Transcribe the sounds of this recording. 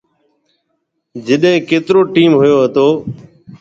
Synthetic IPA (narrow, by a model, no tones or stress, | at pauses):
d͡ʒɪɗɦẽːkeːt̪ɪɾoːʈiːmɦʊjoːɦət̪oː